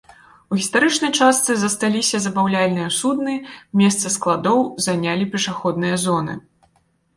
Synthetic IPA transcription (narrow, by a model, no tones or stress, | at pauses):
uɣʲist̪aɾɨt͡ʂnɐjt͡ʂast̪sɨzɐst̪alʲisʲɐzɐbawlʲalʲnɨjɐsud̪nɨmʲɛst̪sɐsklˠad̪ɔwzanʲalʲipʲɛʂaxɔd̪̚nɨjɐzɔnɨ̰